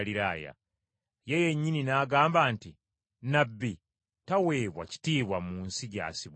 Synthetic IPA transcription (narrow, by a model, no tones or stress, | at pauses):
liɾaːja̰ | je̞je̞ɲːininaːɡaːmbaːnti | nabːi | tawe̞ːβwa̰ci̥tiːβwamuːnsiɟa̰ːsiβ